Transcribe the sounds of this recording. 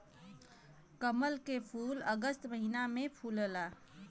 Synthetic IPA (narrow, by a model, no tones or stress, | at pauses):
kəməlkepʰuləɡəst̪məɦinamẽpʰuːləla